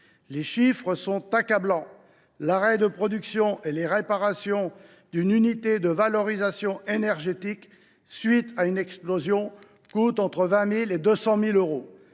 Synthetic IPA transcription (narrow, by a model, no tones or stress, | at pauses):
leʃifχəsɔ̃t̪akablɑ̃ | laʁɛd̪əpχɔd̪yksjɔ̃ʔeleʁepaʁasjɔ̃ | d̪ynynit̪ed̪əvalɔʁizasjɔ̃enɛʁʒet̪ik | sɥit̪aynɛksplozjɔ̃ | kut̪ɑ̃t̪χəvɛ̃miled̪øsɑ̃miløʁo